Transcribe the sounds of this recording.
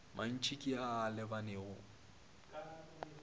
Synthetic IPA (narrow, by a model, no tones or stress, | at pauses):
man̩t͡ʃʰʼikʼiaːlɪbaneɣʊ